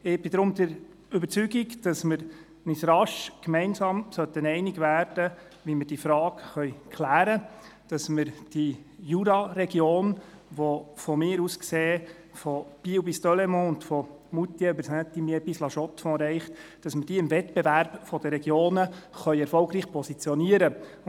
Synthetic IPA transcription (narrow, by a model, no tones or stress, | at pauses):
ɪb̥ɪdɾʊmd̪əɾ | ʏbəɾt͡syɡikd̥ɑsməɾ | nɪtɾɑʃkmɛɪnsɑːmsœt̪ənɛɪnɪɡvæːɾd̥ə | ʋiməɾd̥iːfɾɑːkχœʏkʰlæːɾəd̥ɑsməɾd̥ijuɾɑɾɛɡjoːnʋofɔmɪːɾuskseː | fɔb̥iwbist̪ɔlemɔ̃ʊntfɔ | mut̪jɛybəɾsæt̪imjebislɑʃɔtfɔ̃ɾɛɪχtd̥ɑsməd̥iːɪmvɛtbevæɾbfɔd̥əɾɛɡjoːnəχœʏɛɾfɔlɡɾiːχpʰɔsit͡sjɔniəɾə